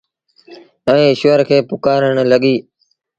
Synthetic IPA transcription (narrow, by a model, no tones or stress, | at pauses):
ɛ̃ːɪʃʋəɾkʰeːpʊkaːɾəɳ̃ləɠiː